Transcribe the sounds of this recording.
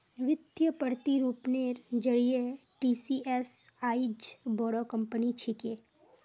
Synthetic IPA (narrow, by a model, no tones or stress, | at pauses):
ɾɪt̪jəpəɾt̪iɾuːpneːɾd͡ʒəɽieʈiːsiʔɛsaːid͡ʒbɔːɽokɐ̃mpənit͡ʃʰɪkeː